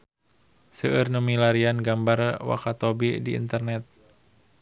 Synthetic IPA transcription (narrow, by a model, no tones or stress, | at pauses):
səʔərnomilaɾianɡambarwa̰kat̪obidiḭnt̪ərnɛt̪̚